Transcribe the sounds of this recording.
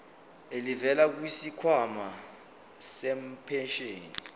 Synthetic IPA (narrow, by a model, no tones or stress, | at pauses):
elivɛlak̬uwisikʰwama | sɛm̩pʰɛnʃeːni